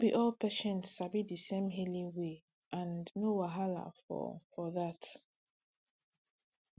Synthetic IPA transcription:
biʔɔlpʰɛʃɛ̃nsːabidisẽmɦelĩweʔãnnowaɦala̰fɔ̰fɔðat

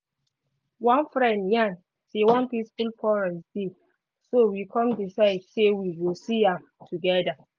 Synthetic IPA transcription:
wãnfɹɛ̃ndjãn | sewãnpispilpʰɔɹɛ̃nsdi | sowikʰɔ̃mdisaɪdsewiwisia | tʰuɡɛda

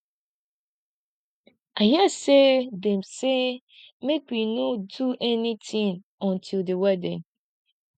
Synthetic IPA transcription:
ajɛsedɛ̃mse | mek̚winõduʔɛnĩtʰĩŋ | ɔ̃ntʰildewɛdɪ̃ŋ

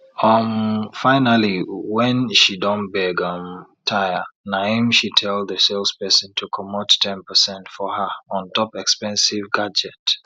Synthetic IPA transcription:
ʌmfaɪnaliwɛ̃nʃidɔ̃nbɛɡʌ̃mtʰajənãmʃitʰɛlˠðəselˠspɛsə̃ntʰukʰɔmottʰɛ̃npəsɛ̃ntfɔəɔ̃ntʰɔpɛkspɛ̃nsivɡad͡ʒɛt

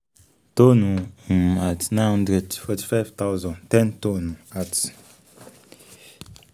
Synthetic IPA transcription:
tonuatnãnhɔ̃ndɾɛdfɔti̥fajvt̪awzɔ̃ntɛ̃ntonuat

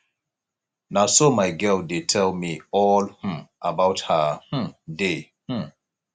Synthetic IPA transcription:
nasomaɪɡɛldetʰɛlmiɔlhũʔəbawthəh̩de | h̩

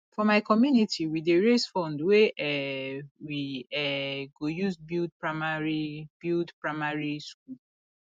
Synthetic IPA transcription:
fɔmaɪkʰɔmjunitʰiwideɹesfɔ̃ndweʔɛ | wiɛɡojuzbild̚pɹamaɹib̥ildpɹaɪmaɹiskul

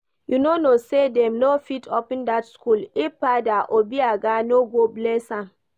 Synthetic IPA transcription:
junonosedɛ̃mnofitʰɔpĩndatskulipadaʔobiaɡanoɡoblesã

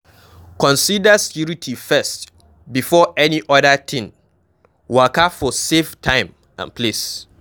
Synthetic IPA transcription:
kʰɔ̃nsidaskʰjuɾitʰifɛst | bifɔɛniʔɔdətʰɪ̃n | wakafɔseftʰãɪ̃m | ã̰npʰles

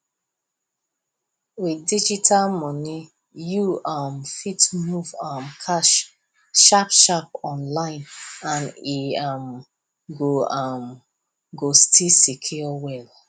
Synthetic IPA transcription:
widid͡ʒitʰalmɔni | juʔamfitmuvãmkʰaʃ | ʃapʃap̚ɔ̃nlãɪ̃nãniam | ɡoam | ɡostʰisikʰiɔwɛl

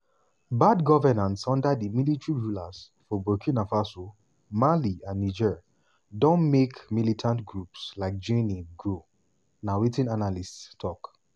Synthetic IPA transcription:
badɡɔvɛnãntsɔ̃ndadimilitɹiɹulaz̥ | fɔbɔkʰĩnafaso | maliãnːid͡ʒɛɹ | dɔ̃nmekmilitʰãntɡɹupslaɪk̚d͡ʒẽniɡɹo | nawetĩnanalisttʰɔk

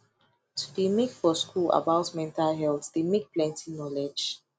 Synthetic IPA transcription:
tʰudimekfɔskʰula̰baʊtmɛ̃ntalɦɛltd̥emek̚plɛ̃ntʰĩŋnɔlɛd͡ʒ

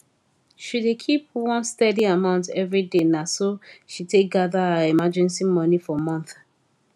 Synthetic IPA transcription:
ʃidekʰip̚wɔ̃nstɛdiamãʊ̃ntɛvɹidenasoʃitek̚ɡaðaaimad͡ʒɛ̃nsimɔnifɔmɔ̃nθ

